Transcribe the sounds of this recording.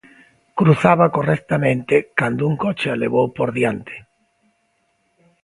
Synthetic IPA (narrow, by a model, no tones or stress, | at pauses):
kɾuθaβakorɛk̚t̪amẽnt̪ekand̪ʊuŋkot͡ʃealeβ̞owpoɾðjant̪ʰe̥